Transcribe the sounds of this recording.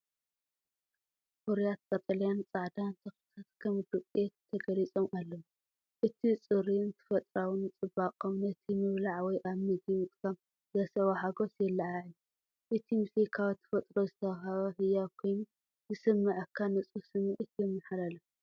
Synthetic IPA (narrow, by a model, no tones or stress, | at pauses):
ʔoɾijat̪̚kʼɐt̪ʼɐlijant͡sʼaʕd̪ant̪ʰɐxi̥t̪ʰat̪kʰɐmd̪ukʼjeɐɡɐlit͡sʼomalːom | ʔɨt̪ʰit͡sʼɨɾint̪ʰɨ̥fɐt̪ʼɾawɨnɨt͡sʼɨbaqʼomnɐt̪ʰimɨβlaʕwɔjʔaβmɨd̪imɨkʼsam | zɐsɐwahaɡosjɛlːaʕaʕju | ʔɨt̪ʰimɨsekʰawt̪ʰːɨ̥fɐt̪ʼɾozɨt̪ʰɐwɦaβɐħɨjːakʰojnu | zɨsɨmːɐʕkʰːanɐt͡sʼusɨmɨʕɨt̪ʰjɛmːɐħlalɐ